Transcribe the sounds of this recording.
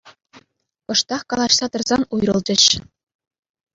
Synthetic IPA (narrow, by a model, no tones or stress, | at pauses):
pɤ̆ʂt̪ɑχkɑlˠɑɕsɑt̪ɤ̆rzɑnujrɤ̆lˠd͡ʑɘ̆ɕ